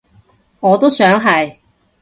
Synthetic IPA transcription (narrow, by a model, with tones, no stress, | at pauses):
ŋɔː˨˧t̪o˥wsœː˨˥ŋɦɐ˨j